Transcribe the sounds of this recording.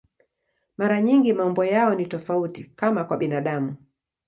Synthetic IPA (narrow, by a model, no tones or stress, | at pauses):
maɾaɲiŋɡimaɔmbɔjaɔnitɔfautikamakwaɓinaɗamu